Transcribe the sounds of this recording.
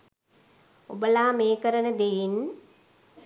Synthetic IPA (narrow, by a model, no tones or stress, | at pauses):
obəlaːmeːkəɾənəd̪ejin